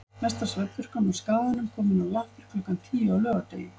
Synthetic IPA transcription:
ɛst̪asvɛt̪vʏɾ̥kanaskaːðanʏmkʰɔːmɪnawlaht̪ʏɾ̥kʰlœkant̪ʰiːjaːwlœːɣat̪ḛjɪ

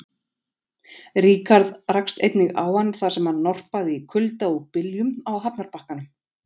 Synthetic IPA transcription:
riːkaɾðrakst̪ejt̪nɪɣaːwhanːθasɛmhanːɔwr̥paɣðɪikʰʏlt̪aɔɣpɪljʏmawɦapnaɾpahkanʏm

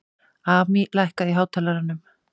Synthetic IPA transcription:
aːmilajhkaiɦaːwt̪ʰɛːlaɾanːʏm

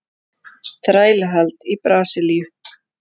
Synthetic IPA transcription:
θɾaːjlɦalt̪ipɾaːsɪliʏ

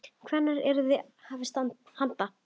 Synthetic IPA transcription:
kʰvɛnːaɾɛɾʏðɪhaːvɪst̪ant̪̚hant̪a

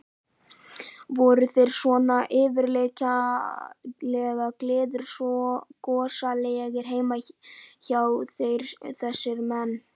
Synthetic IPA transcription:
vɔɾʏθejɾ̥swɔnaʔɪːvɪɾleca | lɛɣaklɪːðʏɾ̥sɔkɔːsalejɛɣɪɾ̥ɦeːjmaçawθejɾθɛsːɪɾmɛnː

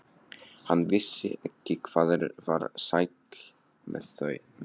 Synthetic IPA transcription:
hanːvɪsːɪ̰ɛhcːɪkʰv̥aːðɛɾva̰ɾsajt̪l | mɛ̰ðθœɥ

